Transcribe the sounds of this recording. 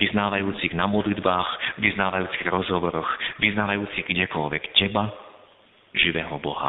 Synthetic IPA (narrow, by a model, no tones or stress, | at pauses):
ʋiznaːʋajuːt͡siɣnamɔd̪lid̪baːxʋiznaːʋajuːt͡siɣɾɔzɦɔʋɔɾɔxʋiznaːʋajuːt͡siɣɡɟɛkɔlʋɛkcɛba | ʒiʋɛɦɔbɔɦa̰